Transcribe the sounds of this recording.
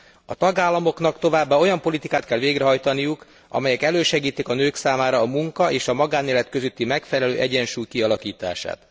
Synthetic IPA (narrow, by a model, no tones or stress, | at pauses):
ɒt̪ɒɡaːlːɒmo̞kn̪ɒkt̪o̞vaːbːaːo̞jɒmpo̞lit̪ikaːt̪kɛlʋeːɡɾɛɦɒjt̪ɒnijuk | ɒ̰mɛjɛkɛløːʃɛɡiːt̪ikɒnøːksaːmaːɾɒːmuŋkɒʔeːʃɒmɒɡaːnːeːlɛt̪køzøt̪ːimɛkfɛlɛlø̰ːʔɛɟɛnʃuːjkiɒlɒkiːt̪a̰ːʃa̰ːt̪